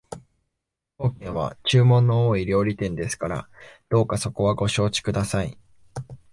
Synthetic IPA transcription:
o̞ːkẽ̞ɰ̃βa̰t͡ɕɨːmõ̞nːo̞oːiɾʲjo̞ːɾʲit̪ẽ̞nd̪e̞sɨ̥kaɾa̰d̪̥o̞ːkaso̞ko̞βaɡo̞ɕo̞ːt͡ɕi̥kɯ̟d̪asai

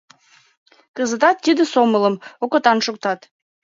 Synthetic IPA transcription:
kəzət̪ɑt̪ːid̪əsomələmokə̆t̪ɑnʃuk̚t̪ɑt̪

